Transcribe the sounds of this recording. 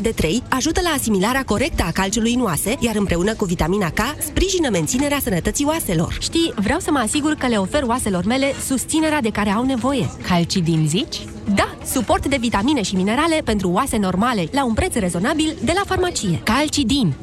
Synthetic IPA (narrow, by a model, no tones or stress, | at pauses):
d̪e̞t̪ɾe̞jaʒut̪əlaːsimilaɾeako̞ɾe̞k̚t̪əakalt͡ʃulujnuase̞jaɾɨmpɾe̞unəkuvit̪aminakaspɾiʒinəme̞nt̪sine̞ɾeasənət̪ət̪sioase̞lo̞̰rʃt̪ijvɾeawsəməasiɡurkəle̞o̞fe̞roase̞lo̞rme̞le̞sust̪sine̞ɾead̪e̞kaɾe̞awne̞vo̞je̞kʰalt͡ʃid̪inzit͡ʃʲ | d̪a | supo̞rt̪d̪e̞vit̪amine̞ʃimine̞ɾale̞pe̞nt̪ɾuoase̞no̞rmale̞launpɾe̞t̪sre̞zo̞nabild̪e̞lafarmat͡ʃije̞̰kalt͡ʃid̪inʲ